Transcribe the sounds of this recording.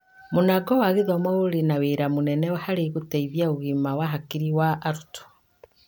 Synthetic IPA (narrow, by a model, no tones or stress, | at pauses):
monaɡɔwaɣeðɔmɔoɾenaweɾamonɛnɛwhaɾeɣutɛiðjaoɣimawaɦakiɾiwaʔaɾutɔ̥